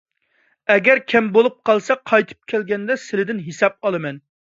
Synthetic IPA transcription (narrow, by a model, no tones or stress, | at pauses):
ɛɡʲɛɾkʲʰɛmbolˠup̚qʰɑlˠsɛqʰɑjt̪ʰɨ̥p̚kʲʰɛlɡʲɛnd̪ɛsɪlɪd̪ɪnɦisɑp̚ɑlˠɨmɛn